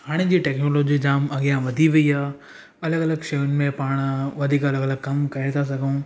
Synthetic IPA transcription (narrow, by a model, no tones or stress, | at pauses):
haːɽ̃ed͡ʑiːʈɛːknoːloːd͡ʑid͡ʑaːmɐɠɪjaʋɐd̪ʱiʋɐiaː | ɐləɡɐləɡʃɐjʊnmẽpaːɽ̃ʋɐd̪ʱiːkɐləɡələɡ̚kɐmkɐɾet̪ʰas̬ɐɡʱũː